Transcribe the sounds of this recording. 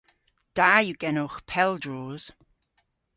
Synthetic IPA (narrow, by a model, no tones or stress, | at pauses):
d̥aːjuɡɛnoχpʰɛlˠdɹoːz̥